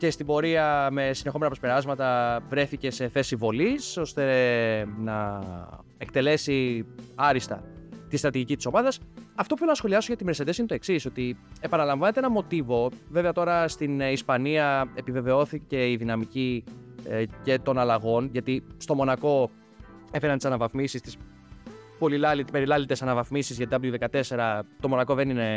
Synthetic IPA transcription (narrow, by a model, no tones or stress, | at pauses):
ce̞st̪ibo̞ɾiɐme̞sinexo̞mnɐpɾospeɾɐzmɐt̪ɐvɾe̞θice̞se̞θe̞sivo̞liso̞st̪e̞ | nɐ | e̞k̚t̪e̞le̞siɐɾist̪ɐ̰t̪ist̪ɾɐt̪iʝicit̪i̥so̞mɐðɐsɐft̪opufelonɐsxo̞liɐsoʝɐt̪imese̞d̪e̞sinet̪o̞e̞ksiso̞t̪ie̞pɐnɐlɐɱvɐne̞t̪eenɐmo̞t̪ivo̞ve̞veɐt̪o̞ɾɐst̪inispɐniɐe̞pive̞ve̞o̞θice̞iðinɐmici | ce̞t̪o̞nɐlɐɣo̞nʝɐt̪ist̪o̞mo̞nɐko̞ | efenɐnt̪isɐnɐvɐθmisist̪i̥s | po̞lilɐlit̪pe̞ɾilɐlit̪esɐnɐvɐθmisizʝɐt̪iɐp̬ot̪iðe̞kɐt̪e̞se̞ɾɐt̪o̞mo̞nɐkoðe̞nine̞